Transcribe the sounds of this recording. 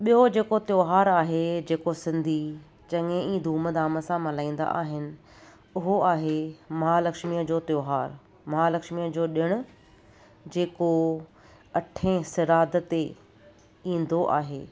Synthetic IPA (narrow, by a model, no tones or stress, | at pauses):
ɓijod͡ʑeːkot̪joːɦaːɾaːɦed͡ʑeːkosɪ̃nd̪ʱi | t͡ɕɐŋẽĩːd̪ʱuːməd̪aːməsãmɐlaːĩːn̆d̪a̰ʔa̰ːɦɪnɪ̆ | ʊɦoaːɦemɐɦalɐkʃmiəd͡ʑoːt̪joːɦaːɾ | mɐɦalɐkʃmiəd͡ʑoːɗɪɽ̃ʊ̆ | d͡ʑeːko | ɐʈʰẽsɪɾaːd̪ʱt̪e | ĩːn̆d̪oʔa̰ːɦḛː